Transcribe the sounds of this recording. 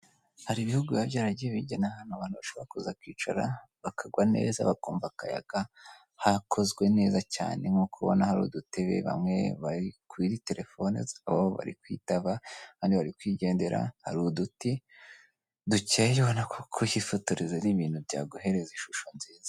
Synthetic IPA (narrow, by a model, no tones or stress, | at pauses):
haɾiβihuɡujaβjaɾaɟijeβiɟenahanhoβanuβaʃoakuzakwiːt͡ʃa̰ɾa̰ | βakʰaɡwane̞̰ːza̰βakoːmvakaja̰ɡ̥a | hakʰo̞zɡwe̞ne̞ːzaca̰ːneŋ̥okuβo̞̰nahaɾṵduteβḛβa̰mŋe̞̰βaɾikwiɾite̞ɾʔe̞foneaβaβoβa̰ɾḭkwḭːtaβakaːndiβaɾikwiːɟe̞ːnde̞ɾa̰haɾuːduti | ducejoβonakʰokʰohifotoɾezeniβiːn̥hubja̰ːɡoɦe̞ɾeziʃuʃo̞nziːza